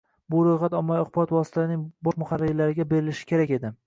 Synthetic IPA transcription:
bʊɾojχat̪ɒmːaɒqbɒt̪vɒsɪ̥t̪ʰaɾɪnɪŋbɒʃmʊχaɾːɪɾlaɾɪɡʲabe̞ɾɪlɪʃɪ̥kʲʰe̞ɾakʲe̞d̪ɪ

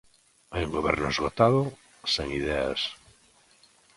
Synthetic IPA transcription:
ajuŋɡoβɛɾnʊezɣot̪aðʊ | seŋiðɛa̰s

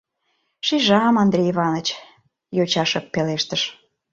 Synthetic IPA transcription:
ʃiʒɑmɑnd̪ɾʲeiβɑnət͡ɕ | jot͡ɕɑʃə̆pːeleʃt̪əʃ

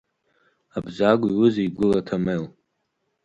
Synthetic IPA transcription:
abzaɡʷiwʊzeiɡʷʊlatʰamel

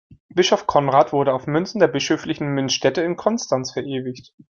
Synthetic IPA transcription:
b̥ɪʃɔfkʰɔnʁaːtv̥ʊɐɾəaʊfmʏnsn̩deːɐbɪʃøːflɪçn̩mʏnsʃtɛtəɪnkʰɔnstansfɛɐʔeːvɪçt

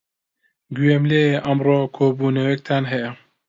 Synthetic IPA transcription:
ɡyjemleʔɐmroːkʰoːbuːnɐwek̚t̪ʰaːnɦɛjɐ

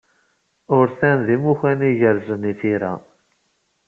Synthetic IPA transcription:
ʊɾθænðimuçæniʝəɾzəniθiɾæ̰

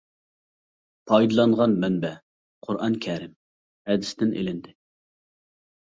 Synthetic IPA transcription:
pʰɑjd̪ɨlˠɑnʁɑnmɛnbɛ | qʰʊɾʔɑnkʲʰɛɾɪm | hɛd̪ɪsd̪ɪnʔḛlɪnd̪ɪ

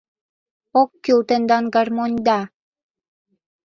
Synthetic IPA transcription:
okːylt̪ə̆nd̪ɑnɡɑrmonʲd̪ɑ

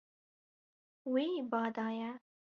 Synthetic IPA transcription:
webɑːd̪ɑːja

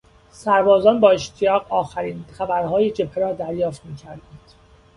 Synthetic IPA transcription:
sæɾbɒːzɒːnbɒːeʃt̪ʰijɒːɣɒːxæɾiːnxæbæɾhɒːjed͡ʒe̞pʰːeɾɒːd̪æɾjɒːft̪miːcʰæɾd̪ænd̪̥

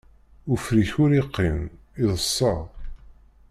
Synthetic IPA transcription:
ufɾiçʊɾiqːin | iðˤəsˤːɑʁ

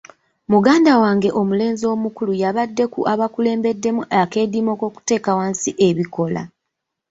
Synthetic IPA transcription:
muɡaːndawaːŋɡe̞ʔo̞mule̞ːnzo̞ːmukulujaβadːe̞kuʔaβakule̞ːmbe̞dːe̞muʔake̞ːdimo̞ːko̞ːku̥te̞ːkawaːnsiʔe̞βiko̞la̰

